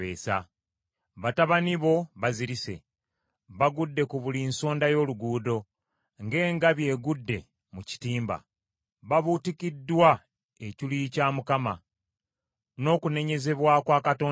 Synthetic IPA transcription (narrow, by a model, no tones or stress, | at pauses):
ḛːsa̰ | βataβaniβo̞βaziɾise̞̰ | βaɡudːe̞kuβulinso̞ːndajo̞ːluɡuːdo̞ | ŋɡe̞ːŋɡaβje̞ːɡudːe̞̰ | muci̥tiːmba̰ | βaβutikidːwa | ecilicaːmukama | no̞ːkune̞ɲe̞ze̞βwakwaːkato̞ː